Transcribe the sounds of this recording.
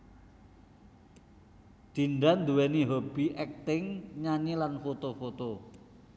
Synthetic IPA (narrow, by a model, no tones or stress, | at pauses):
d̪̥i̤nɖand̪uwɛniɦob̥i̤ʔɛk̚t̪ɪŋɲaɲilanfot̪ofot̪o